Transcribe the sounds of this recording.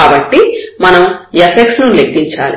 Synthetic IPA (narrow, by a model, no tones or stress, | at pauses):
aːbɐʈːimɐnɐmepeksnulekːiɲt͡ʃa̰ːli